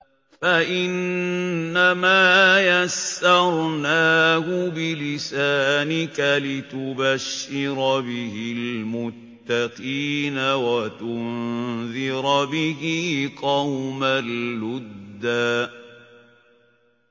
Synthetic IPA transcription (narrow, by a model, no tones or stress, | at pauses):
faʔɪnː | amaːjasːɑɾˤnaːhʊbɪlɪsaːnɪkalɪt̪ʊbaʃːɪɾɑbɪɦɪlmʊt̪ːaqiːnawat̪ʊnðɪɾbɪhɪqɑwmalːʊd̪ːaː